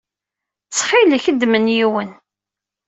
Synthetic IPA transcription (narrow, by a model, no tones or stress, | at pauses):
t͡sːħiləçəd̪ːmənjiwən